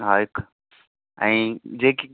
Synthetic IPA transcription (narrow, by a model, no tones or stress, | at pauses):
ɦaːɪk | ɛ̰̃ːd͡ʑeːki